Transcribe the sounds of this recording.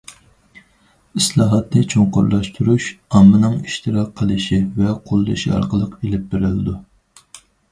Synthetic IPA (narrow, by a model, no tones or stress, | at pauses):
islˠɑːɦɑt̪nɨt͡ʃʰoŋqʊ̰ɾlˠɑʃt̪ʰuɾuʃɑmːɨnɨŋiʃt̪ɨɾɑk̚ʰːəlˠɨʃivɛqʰolˠd̪ɨ̰ʃḭɑ̰ɾqəlˠəqelɪp̚beɾɪlɪd̪u